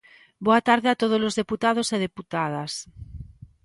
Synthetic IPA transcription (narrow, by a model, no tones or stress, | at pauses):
boat̪aɾðeat̪oð̞ozlozðeput̪aðoseð̞eput̪að̞as